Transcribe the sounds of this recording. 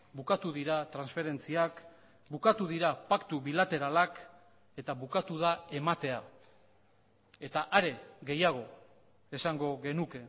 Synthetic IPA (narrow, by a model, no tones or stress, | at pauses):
bukat̪uðiɾat̪ɾansfe̞ɾe̞nt͡siak | bukat̪uðiɾapakt̪uβilat̪e̞ɾalak | e̞t̪aβukat̪uðae̞mat̪e̞a | e̞t̪aʔaɾe̞ɣe̞jaɣ̞o̞ | e̞saŋɡo̞ɣe̞nuke̞